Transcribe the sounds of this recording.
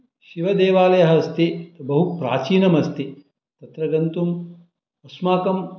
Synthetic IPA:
ʃiʋɐd̪eːʋaːlɐjɐɦɐɐst̪ibɐɦupɾa̰ːt͡ʃiːnɐmɐst̪i | t̪ɐt̪ɾɐɡɐnt̪um | ɐsmaːkɐm

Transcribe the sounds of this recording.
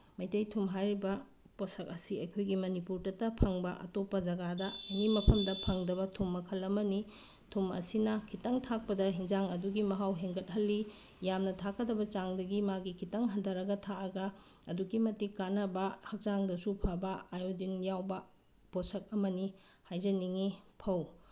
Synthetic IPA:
mɐjtɐjtʰumɦajɾibɐ | posɐkɐsiɐjkʰojɡimɐnipuɾtɐtːɐpʰɐŋbɐʔɐ̰topːɐd͡ʒɐɡadɐɐŋimɐpʰɐmdɐpʰɐŋdɐbɐtʰumːɐkʰɐlɐmɐni | tʰumɐ̰sinɐkʰitɐŋtʰak̚pɐdɐɦiŋd͡ʒaŋɐduɡimɐɦawɦeŋɡɐt̚ɦɐlːi | jamnɐtʰakɐdɐbɐt͡ʃaŋdɐɡimaɡikʰitɐŋɦɐndɐɾɐɡɐtʰaɐɡɐ | ɐduɡimɐtikanɐbɐhɐk̚t͡ʃaŋdɐsupʰabɐajodinjawbɐ | posɐk̚ɐmɐnihajzɐniŋipʰɐw

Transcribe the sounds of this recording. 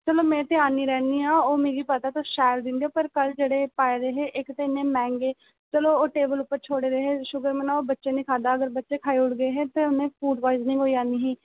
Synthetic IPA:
t͡ʃəloːmẽːt̪ɪaːniːɾɛːniːɦaːoːmeːɡiːpət̪aːt̪õːʃɛːɾd̪ɪnd̪ioːpəɾkəld͡ʒeːɽeːpaːeɾeːɦeːʔɪkt̪eɪnːẽːmɛ̃ːŋɡeː | t͡ʃəloːoːʈeːbəlʊpːəɾt͡ʃʰoːɽeːɾeːɦeːʃʊɡəɾmənaːoːbətːʃeːnĩːkʰaːd̪aːəɡəɾbətːʃeːkʰaːiːʊʈɡəeːɦeːt̪eːʊnẽːpʰuːʈʋaːɪznəĩːoːiaːniːɦiː

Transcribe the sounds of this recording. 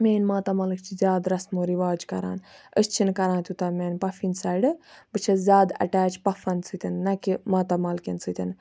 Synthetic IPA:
meːnmaːt̪amɐlɨkt͡ʃʰizʲjaːd̪ɾɐsmoːɾiʋaːd͡ʒkɐɾa̰ːnəst͡ʃʰinkɐɾãːnt̪ʲut̪ɐmeːnʲpɐfinsaːjɖɨbɨt͡ʃʰɐzʲjaːd̪ɐ̰ʈaːt͡ʃpɐfɐnsʰɨt̪ʲɐnːɐkimaːt̪amɐlkɐnsʰɨt̪ʰʲɐn

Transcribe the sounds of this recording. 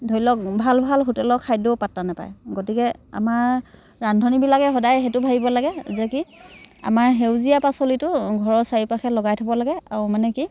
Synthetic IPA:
dʱojlɔk̚bʱalbʱalɦutɛlɔkʰːajdɔpatːanapa̰jɡotikɛa̰maɹː | andʱɔnibilakɛɦɔdajɦɛtʊbʱabibɔlaɡɛzɛkia̰maɹɦewzijapasolitʊɡʱɔɹɔsaɹipaxɛlɔɡajtʰabɔlaɡɛa̰ɹumanɛki

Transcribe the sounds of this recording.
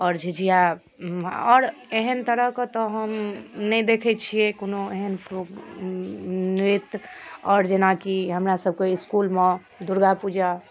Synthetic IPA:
ɔːɾd͡ʒʱid͡ʒija | ɔːɾeɦənt̪əɾəɦket̪ɔɦəmnɛjd̪ekʰɛt͡ʃʰijekonoeɦənpɾo | nɾit̪ɔːɾd͡ʒenakiɦəmɾasəb̚keiskulme | d̪uɾɡapud͡ʒa

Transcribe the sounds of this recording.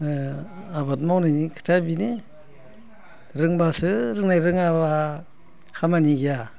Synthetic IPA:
aβat̚mawnajnikʰɯ̥tʰabine | ɾɯŋbasɯɾɯŋnajɾɯŋaβa | kʰamaniɡija

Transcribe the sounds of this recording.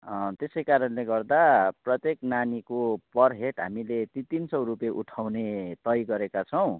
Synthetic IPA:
t̪esʌjkaɾʌnleɡʌrd̪aprʌt̪jeknanikopʌrɦeʈɦa̰milet̪it̪insʌwrupeʔuʈʰawnet̪ʌjɡʌɾekat͡sʰʌw̃

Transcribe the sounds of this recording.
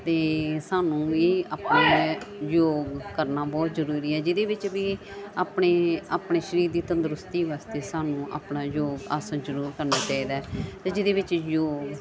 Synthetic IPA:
t̪eːsaːnũːʋiːaːpnaːjoːɡkəɾnaːbɔːt̪zəɾuːɾiːɛːd͡ʒɪd̪eːʋɪt͡ʃʋiː | aːpɳeːaːpɳeːʃəɾiːɾd̪iːt̪ə̃nd̪əɾʊst̪iːʋaːst̪eːsaːnũːʔa̰ːpnaːjoːɡaːsənd͡ʒəɾuːɾkəɾnaːt͡ʃaːiːd̪aɛt̪eːd͡ʒɪd̪eːʋɪt͡ʃjoːɡ

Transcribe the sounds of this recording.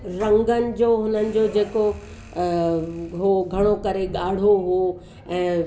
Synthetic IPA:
ɾɐ̃ŋɡənɪ̆d͡ʑoːɦʊnənɪ̆d͡ʑoːd͡ʑeːko | ɦoɡʱɐɽ̃okɐɾeɠaːɽ̤oɦuo | ɛ̃ː

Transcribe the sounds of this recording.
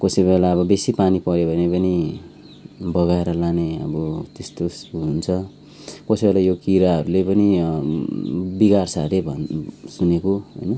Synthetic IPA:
kʌsibelaʌβʌbesipanipʌɾjeobʱʌnepʌni | bʌɣaeɾʌlaneʌ̰bʌt̪est̪osunt͡sʰʌ | kʌsʌbelajokiɾaɦʌɾulepʌni | biɡarsaɾebʱʌsunekoɦʌ̰jnʌ

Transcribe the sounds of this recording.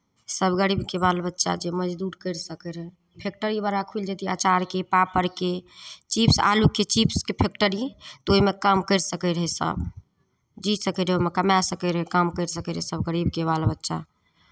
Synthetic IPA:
səbɡəɾibkebalbətːʃa̰d͡ʒeməd͡ʒd̪uɾkəɾsəkəɾɦɛ | pʰek̚ʈəɾibaɾakʰuld͡ʒet̪ia̰t͡ʃaɾkepapəɾket͡ʃipsa̰lukːet͡ʃipskepʰek̚ʈəɾit̪oimekəmkəɪɾsəkəɾəɦɛsə̰b | d͡ʒisəkəɾɦoimekəmasəkəɾəɦɛkəmkəɾsəkəɾɦɛsəbɡəɾibkeβalbətːʃa̰

